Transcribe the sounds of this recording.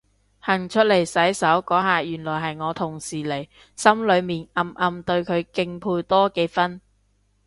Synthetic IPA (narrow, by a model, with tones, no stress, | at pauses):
hɐ˨˩ŋt͡ʃʰɵ˥t̚le˨˩jsɐ˨˥jsɐ˨˥wkɔː˨˥ɦaː˨jyː˨˩nlɔː˨˩jɦɐ˨jŋɔː˨˧t̪ʰʊ˨˩ŋsiː˨˩le˨˩j | sɐ˥mlɵ˨˧ɥmiː˨nʔɐ˨mʔɐ˨mt̪ɵ˧ɥkʰɵ˨˧ɥkɪ˧ŋpʰuː˧jt̪ɔː˥ke˨˥jfɐ˥n